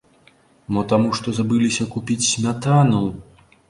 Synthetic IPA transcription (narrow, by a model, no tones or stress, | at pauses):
mɔt̪amuʂt̪ɔzabɨlʲisʲɐkupʲit͡sʲsʲmʲat̪anɐw